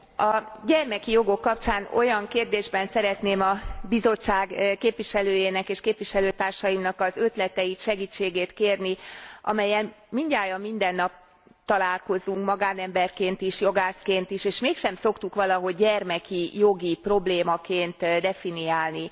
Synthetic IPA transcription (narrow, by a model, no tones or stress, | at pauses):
ɒɟɛrmɛkijo̞ɡo̞kːɒpt͡ʃaːno̞jɒŋkeːrd̪eːʒbɛnsɛɾɛt̪neːmɒbizo̞t͡ʃːaːɡkeːpʋiʃɛløːjeːnɛkeːʃkeːpʋiʃɛløːt̪aːrʃɒjimnɒkɒzøt̪lɛt̪ɛjit̪ʃɛɡiːt͡ʃːeːɡeːt̪keːrniʔɒ̰mɛjːɛl | miɲɟaːjɒmmind̪ɛnːɒp̚ | t̪ɒlaːlko̞zuŋkmɒɡaːnɛmbɛrkeːnt̪iʃjo̞ɡaːskeːnt̪iʃeːʃmeːkʃɛmso̞kt̪ukʋɒlɒɦo̞ɟːɛrmɛkijo̞ɡipro̞bleːmɒkeːnt̪d̪ɛfinijaːlni